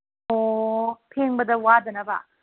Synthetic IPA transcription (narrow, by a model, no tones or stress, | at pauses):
opʰeŋbɐdɐwadɐnɐba̰